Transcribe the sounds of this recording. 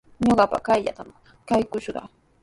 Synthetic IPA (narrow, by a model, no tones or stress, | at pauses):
ɲoɢɑpa̰kajʎa̰t̪am | kajkʊʃɢɑ̰